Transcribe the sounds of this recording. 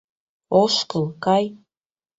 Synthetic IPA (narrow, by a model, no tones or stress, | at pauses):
oʃkɤlˠkaj